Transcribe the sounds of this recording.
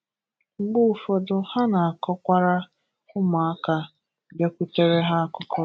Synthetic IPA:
ŋ͡m̩˨ɡ͡bʊ˦u˨fɔ˨dʊ˨ha˦na˨a˨kɔ˦kʷa˦ɾa˦ | ʊ˦ma˨a˦ka˦ | be˦kʷu˦te˦ɾe˦ɦa˦a˦kʊ˦kɔ˦

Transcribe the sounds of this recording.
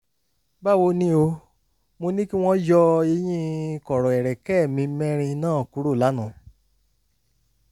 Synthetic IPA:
ba˦˨wo˧nĩ˦o˧ | mo˧nĩ˦ki˦w̃ɔ̃˦jɔ˧e˧˦j̃ĩ˦˧kɔ˨ɾɔ˨ɛ˨ɾɛ˨kɛ˦˨mĩ˧˦mɛ̃˦ɾ̃ĩ˧nãː˦˨ku˨˦ɾo˦˨la˨˦nũ˨˦

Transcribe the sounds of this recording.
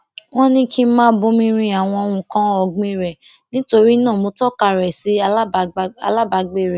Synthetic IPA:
w̃ɔ̃˦nĩ˦kʰĩ˦mãː˦bo˦˧mĩ˧ɾ̃ĩ˧˦a˨w̃ɔ̃˧o˧ũ˧˨kã˦ɔ˧˨ɡ͡bĩ˧˦ɾɛ˨ | nĩ˨˦to˧ɾi˦nãː˦˨mo˧˦tɔ˦˨ka˧˨ɾɛ˨si˨˦˨a̰˧la˦ba˨˧ɡ͡be˦˨ɾɛ˨

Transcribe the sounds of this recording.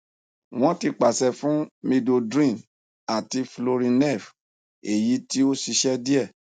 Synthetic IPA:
w̃ɔ̃˦ti˧k͡pa˨sɛ˧fũ˦mĩ˧do˧dɾĩ˦˨ | a˨ti˧flo˧ɾĩ˧nɛ˦˨f | e˨ji˨˦ti˦o˦ʃi˧ʃɛ˦di˦ɛ˦˨

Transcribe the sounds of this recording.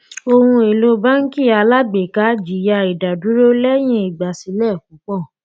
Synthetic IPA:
o˧hũ˧e˨lo˧˦ba˦ŋ̩˦ki˦˨a˧la˦ɡ͡be˨ka˨˦d͡ʒi˨ja˧i˨da˨du˨˦ɾo˦lɛ˦j̃ĩ˦i˨ɡ͡ba˨si˨˧˦lɛ˦˨ku˨˦k͡pɔ˦˨

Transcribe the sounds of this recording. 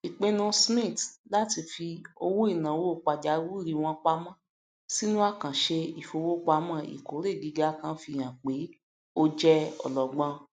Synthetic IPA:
i˨k͡pẽ˧˦nũ˧smĩ˦˨tla˦ti˧fi˧o˧wo˦i˦˨nã˨wo˦˨k͡pa˧d͡ʒa˨˦wu˦ɾi˨˧w̃ɔ̃˧k͡pa˧˦mã˦˨ | si˦nũ˦a˦˨kã˨ʃe˧i˨fo˧wo˦k͡pa˧mã˦˨ḭ˨ko˨˦ɾe˦˨ɡi˨˦ɡa˦kã˦fi˧˨j̃ã˨k͡pe˨˦ | o˧d͡ʒɛ˦ɔ̰˨lɔ˨ɡ͡bã˧

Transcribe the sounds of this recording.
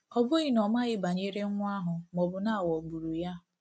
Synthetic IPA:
ɔ˦bʊ˦ɣi˦nɔ˨ma˦ɣɪ˦ba˨ɲe˦ɾe˦ŋʷ˦a˦ɦʊ˨mɔ˨bʊ˨na˦˨wɔ˨ɡ͡bu˨ɾu˨ja˦

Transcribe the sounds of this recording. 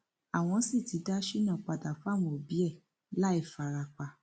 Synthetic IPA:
a˨w̃ɔ̃˧˦si˦˨ti˨˦da˦ʃi˦˨nã˦˨k͡pa˧˨da˨fa˦˨w̃ɔ̃˧˨o˨bi˨˦ɛ˦˨ | la˦i˦˨fa˨ɾa˧k͡pa˨

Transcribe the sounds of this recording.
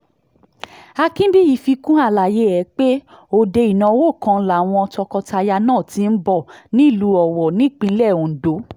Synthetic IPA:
a˧kĩ˦bi˦ji˨fi˧kũ˦a˦˨la˨je˨˦ɛ˨˦k͡pe˦ | o˧˨de˧i˨nã˧˦wo˦˨kã˧˦la˨w̃ɔ̃˧tɔ˧kɔ˧ta˧ja˧nãː˦˨tĩ˧˦n̩˦bɔ˦˨nĩ˨˦˨lu˨˧˦ɔ˨wɔ˨nĩ˦˨k͡pĩ˧˦lɛ˦˨o˨n̩˨do˨˦

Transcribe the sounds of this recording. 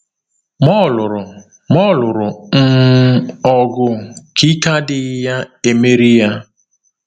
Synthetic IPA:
mɔ˦˨lʊ˨ɾʊ˨ | mɔ˦˨lʊ˨ɾʊ˨n̩˦ | ɔ˨ɡʊ˦kʰi˦ka˦dɪ˦ja˦e˨me˦ɾi˦ja˦

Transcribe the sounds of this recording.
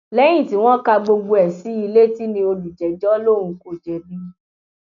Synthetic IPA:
lɛ˨˦j̃ĩ˦˨ti˨˦w̃ɔ̃˦ka˧ɡ͡bo˧ɡ͡bo˧ɛ˨si˨˦i˧le˦ti˦nĩ˧o˧lu˨d͡ʒɛ˨d͡ʒɔ˦lo˦˨ɾ̃ũ˧ko˦˨d͡ʒɛ˨bĩ˦

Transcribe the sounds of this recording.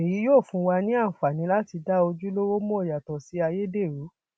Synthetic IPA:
e˨ji˨˦joː˦˨fũ˧˦wa˧nĩ˦ã˦˨fa˨nĩ˨˧˦la˦ti˧da˦o˧d͡ʒu˦lo˦wo˦mɔ̃˦˨ja˨tɔ˨si˨˦a˧je˦de˦˨ɾu˨˦

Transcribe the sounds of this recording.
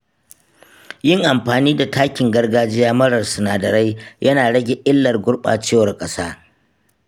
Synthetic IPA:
jɪ˦˨ŋʔa˨mɸaː˨niː˦da˨tʰaː˦kʲɪ˨ŋɡɐ˦rɡaː˦d͡ʒɪ˦jaː˦mɐ˦ɽɐ˨rsʊ˨naː˨dɐ˨ɾa˦jjʔɐ˦naː˨ɽɐ˦ɡʲe˨ʔɪ˦lːɐ˨rɡʷʊ˦ɽɓa̰ː˨t͡ʃeː˦wɐ˨rkʼɐ˦saː˦

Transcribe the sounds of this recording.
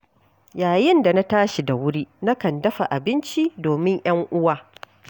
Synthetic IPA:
jaː˨jɪ˦nda˨na˦taː˦ʃi˨da˨wʊ˦ɽiː˦na˦kɐ˨ndɐ˦ɸa̰˨ʔa˨bɪ˦nt͡ʃi˦doː˨mɪ˦ɲj̰ɐ˦ŋʔʊ˦waː˦

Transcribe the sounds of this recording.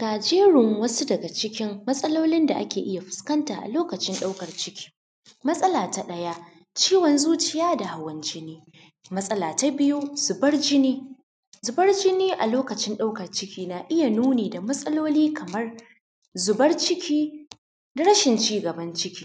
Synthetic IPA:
kaː˨d͡ʒeː˦ɽɪ˨ŋwɐ˦su˦dɐ˨ɡa˨t͡ʃɪ˦kʲɪ˦mːɐ˦sʼɐ˦loː˦lɪ˦nda̰˨ʔa̰˦kʲeː˨ʔɪ˦ja˨ɸɪ̥˨skɐ˦ntaː˨ʔa̰˨loː˦kɐ˨t͡ʃɪ˦nɗa˦wkɐ˨rt͡ʃɪ˦kʲʰi̥ː˦ | mɐ˦sʼɐ˦laː˨ta˦ɗɐ˦ja˦ | t͡ʃiː˦wɐ˨nzuː˦t͡ʃɪ˦jaː˦da˨ha˨wɐ˨nt͡ʃɪ˦neː˦ | mɐ˦sʼɐ˦laː˨ta˦bɪ˦ju˦z̥ʊ˨bɐ˦rd͡ʒɪ˦niː˦ | zʊ˨bɐ˦rd͡ʒɪ˦niː˦ʔa˨loː˦kɐ˨t͡ʃɪ˦nɗa˦wkɐ˨rt͡ʃɪ˦kʲiː˦naː˨ʔɪ˦ja˨nuː˦neː˨da˨mɐ˦sʼɐ˦loː˦liː˦kʰɐ˨mɐ˦r | zʊ˨bɐ˦rt͡ʃɪ˦kʲʰiː˦ | da˨ɽɐ˦ʃɪ˨nt͡ʃiː˦ɡɐ˨bɐ˦nt͡ʃɪ˦kʲiː˦

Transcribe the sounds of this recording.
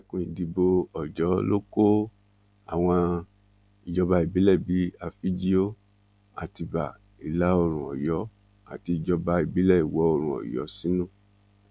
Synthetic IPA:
kũ˧ĩ˨di˧bo˧ɔ˨d͡ʒɔ˨˦lo˦ko˦ | a˨w̃ɔ̃˧ | i˧˨d͡ʒɔ˧ba˧i˨bi˨˦lɛ˦˨bi˨˦a˧fi˦d͡ʒi˦o˦ | a̰˨ti˧ba˨ | i˨la˨˦o˧ɾ̃ũ˨ɔ̰˨jɔ˨˦ | a̰˨ti˧i˨d͡ʒɔ˧ba˧i˨bi˨˦lɛ˦˨i˨wɔ˨˦o˧ɾ̃ũ˧˨ɔ̰˨jɔ̰˨˦sĩ˦nũ˦˨

